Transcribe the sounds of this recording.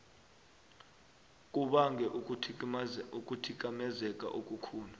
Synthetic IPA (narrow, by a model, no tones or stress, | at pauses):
k̬ʼuɓaŋɡʱɛʔʰ | ukʼutʰik̬ʼamɛzɛkʼa̰ʔokʼukʰuːla